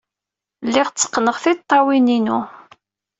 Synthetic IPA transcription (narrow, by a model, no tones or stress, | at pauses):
lːiʁt͡sːə̥qːnəʁθit̪ˤːɑwininu